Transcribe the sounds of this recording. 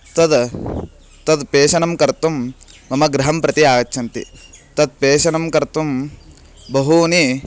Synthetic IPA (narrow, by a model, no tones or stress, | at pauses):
t̪ɐd̪ | t̪ɐd̪peːʃɐnɐmkɐɾt̪umː | ɐmɐɡɾɐɦɐmpɾɐt̪iaːɡɐːt͡ʃʰɐnt̪ḭt̪ɐd̪̚peːʃɐnɐmkɐɾt̪um | bɐɦuːni